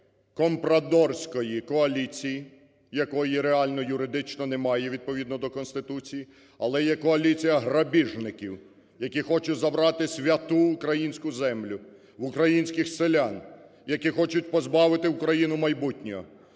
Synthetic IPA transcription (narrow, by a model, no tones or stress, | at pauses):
kɔmpɾɐd̪ɔrsʲkɔjikɔɐlʲit͡sʲiji | jɐkɔjiɾeɑlʲnɔjʊɾɪd̪ɪt͡ʃnɔnɛmɑjɛʋʲid̪̚pɔʋʲid̪nɔd̪ɔkɔnst̪ɪt̪ut͡sʲiji | ɐlˠɛjɛkɔɐlʲit͡sʲijɐɦɾɐbʲiʒnɪkʲiw | jɐkʲixɔt͡ʃʊtʲzɐbɾɑt̪ɪsʲʋʲɐt̪uːkɾɐjinʲsʲkʊzɛmlʲʊ | ʋʊkɾɐjinʲsʲkɪxselʲan | jɐkixɔt͡ʃʊtʲpɔzbɑʋɪt̪ɪʊkɾɐjinʊmɐjbutʲnʲɔɔ̰